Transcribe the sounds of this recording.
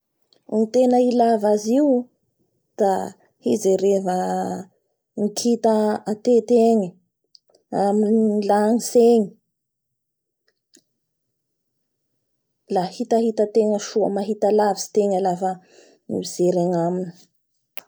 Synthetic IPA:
nit̪enəilavaziu | d̪̥a | hizeɾevə | ŋikʰit̪əat̪et̪eŋə | aminilaŋiseŋi̥ | lahit̪aɦit̪ət̪eŋəʃuə̰maɦit̪alavisi̥t̪eŋəlafə | nḭiz̥eɾaŋamini̥

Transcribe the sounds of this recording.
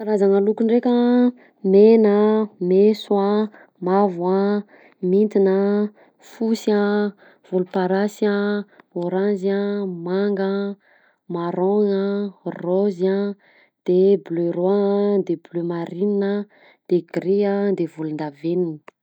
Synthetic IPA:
kaɾazaŋalukunrekʲə | menəmeswa | mavwa | mint̪inə | fusa | v̥ulupaɾasaoɾãnzamaŋɡə | maɾoŋəroza | d̪̥eblørwad̪eblømaɾinnə | d̪̥eɡ̥ɾiad̪evulund̪aveninə̥

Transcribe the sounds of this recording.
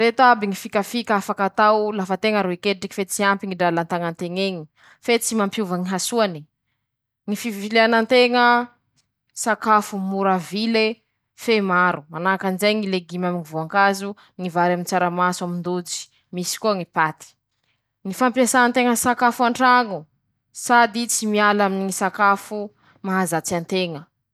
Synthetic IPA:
ɾet̪oabiŋifikafikafakat̪awlafət̪eŋəɾoekeʈ͡ʂiki̥fet͡siampiŋiɖ͡ʐalant̪aŋant̪eŋeɲi | fet͡simampjuvəŋiɦasuani̥ | ŋifivileanant̪eŋə | sakafumuɾavile | femaɾumanakanizajŋileɡimaminivuaŋkazu | ŋivaɾamint͡saɾamaswamind̪ut͡si̥ | misi̥kuaŋipat̪i̥ | ŋifampiasanant̪eŋəsakafuaɳʈ͡ʂaŋu | sad̪it͡simialaminisakafu | maɦazat͡siant̪eŋə

